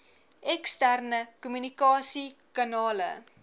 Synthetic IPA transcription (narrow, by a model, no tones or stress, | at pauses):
ɛkstærnəkumynikɑːsikɑnɑːlə̰